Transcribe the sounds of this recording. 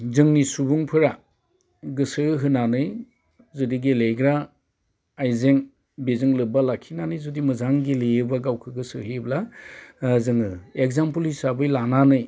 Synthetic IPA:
zɯŋnisubuŋpʰɯɾa | ɡɯsɯɦɯnanɯj | zɯdiɡelejɡɾa | ajzeŋ | bezɯŋlɯbalakʰinanɯjzudimɯzaŋɡilejɯbaɡawkʰɯɡɯsɯhebla | zɯŋɯek̚zampɯlhisabɯjlananɯj

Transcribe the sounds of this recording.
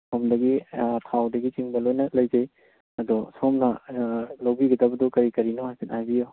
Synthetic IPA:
somdɐɡitʰawdɐɡit͡ʃiŋbɐlojnɐlɐjd͡ʒej | ɐdɔsomnɐlobiɡɐdɐbɐdɔkɐɾikɐɾinoɦajsinajbijo

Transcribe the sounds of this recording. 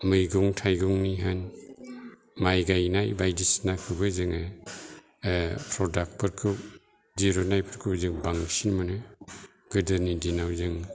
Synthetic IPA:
mɯjɡuŋtʰajɡuŋniɦan | majɡajnajbajdisnakʰɯbɯzɯŋɯ | pʰɾɔdak̚pʰɯɾkʰɯ | d͡ʒiɾɔnajpʰɯɾkʰɯbzɯŋbaŋsinmɯnɯ | ɡ̥ɯdɯɾnidinawzɯŋ

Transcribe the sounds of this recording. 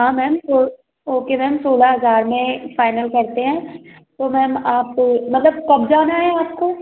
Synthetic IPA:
ɦãːmɛːmsoː | oːkemɛ̃ɦmsoːlaɦɐzaːɾmẽfaːɪnəlkɐɾt̪eɦɛ̃ː | t̪omɛːmaːpmɐt̪ləb̚kɐbd͡ʒaːnaɦɛaːpko

